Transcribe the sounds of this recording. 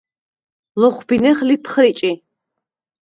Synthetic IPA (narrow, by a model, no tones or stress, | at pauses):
lɔχʷbinɛχlipʰχɾit͡ʃʼi